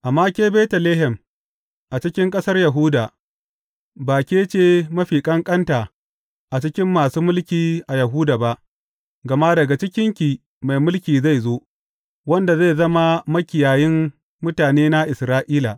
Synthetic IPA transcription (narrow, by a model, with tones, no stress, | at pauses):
ʔa˨mːaː˦kʲeː˦beː˦tɐ˨leː˦ɦɛ˨m | ʔa˨t͡ʃɪ˦kʲɪ˦ŋkʼɐ˦sɐ˦rjɐ˨ɦʊː˦da˨ | baː˨kʲeː˦t͡ʃeː˦mɐ˦ɸiː˨kʼɐ˦ŋkʼɐ˦nta˨ | ʔa˨t͡ʃɪ˦kʲɪ˦mːaː˨suː˦mʊ˦lkʲiː˨ʔa˨jɐ˨ɦuː˦da˨ba˦ʔ | ɡɐ˨ma˦dɐ˨ɡa˨t͡ʃɪ˦kʲɪ˦ŋkʲiː˨ | ma˨jmʊ˦lkʲiː˨za˦˨jzo˦ʔ | wɐ˦nda˨za˦˨jzɐ˦ma˦mɐ˦kʲɪ˨jaː˨jɪ˦mː | ʊ˦taː˨neː˦na˦ʔɪ˨sɾaː˦ʔiː˦la̰˨